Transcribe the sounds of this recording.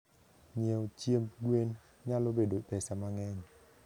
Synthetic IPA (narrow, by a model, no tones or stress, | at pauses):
ɲiəwt͡ɕiəmkwiən | ɲaloɓeɗo̰jpɛsamaːŋɛŋ